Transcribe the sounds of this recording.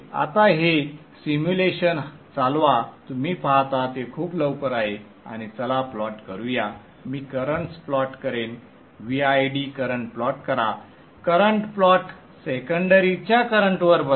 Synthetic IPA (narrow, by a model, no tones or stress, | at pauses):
a̰t̪aɦe | simjuleɕənt͡salʋat̪umiːpat̪at̪ekʰuːpləʋkəɾaɦe | a̰ñit͡səlaplɔʈkəɾuja | miːkəɾəɳʈsplɔʈkəɾen | ʋiajɖikəɾəɳʈplɔʈkəɾa | kəɾəɳʈplɔʈ | sekəɳɖəɾit͡ɕjakəɾəɳʈʋəɾbə